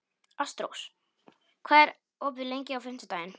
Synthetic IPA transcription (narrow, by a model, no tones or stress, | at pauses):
ast̪ɾo̰ws | kʰvɛːɾ | ɔːpðɪlejɲcɪawfɪn̥t̪ɪt̪aːjɪn